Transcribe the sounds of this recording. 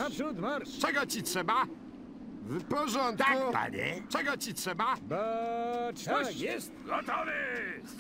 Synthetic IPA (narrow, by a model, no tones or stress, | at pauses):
apʂt̪maɾt͡ʂɛɡɔt͡ɕitʂɛba | vpɔʐɔnt̪kupa̰ɲɛ̰t͡ʂɛɡɔt͡ɕitʂɛbabɔ | ɔjɛst̪ɡɔt̪ɔvɨ